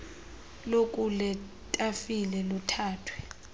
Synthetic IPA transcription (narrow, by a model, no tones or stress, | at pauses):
lokʼulɛ | tʼafilɛlutʰaːtʰwɛ